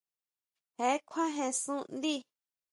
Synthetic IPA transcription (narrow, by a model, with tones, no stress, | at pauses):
he˨˦kʷʰã˦ɦẽ˧sũ˦ʔnd̪i˦